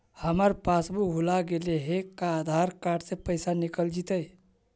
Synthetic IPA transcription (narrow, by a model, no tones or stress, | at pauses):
həməɾpaːsbuɦulaɡeleɦekaːd̪ʱaɾkaːɖsepəjsanikəld͡ʒit̪əj